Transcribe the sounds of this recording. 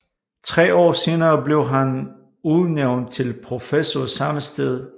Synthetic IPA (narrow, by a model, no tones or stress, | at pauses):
t͡sʰʁɛ̰ːɒ̰ːse̝ːnɐːble̝ʊɦæn | uðˠneʊ̰nt͡sʰe̝lpʰʁo̝fesɒsɑ̈məsd̥eð̞ˠ